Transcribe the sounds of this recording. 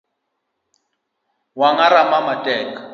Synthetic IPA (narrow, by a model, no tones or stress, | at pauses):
waŋaɾamamatʼɛːkʼḁ